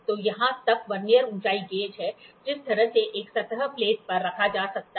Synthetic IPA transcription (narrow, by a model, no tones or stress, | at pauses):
t̪oːjɐɦãt̪ɐkʋɐɾnijəɾʊ̃ːt͡ʃaːiɡeːd͡ʒɦɛd͡ʒɪst̪ʰɐɾəseʔeːksɐt̪ɦəpleːʈ̚pɐɾːɐkʰad͡ʒaːsɐk̚t̪a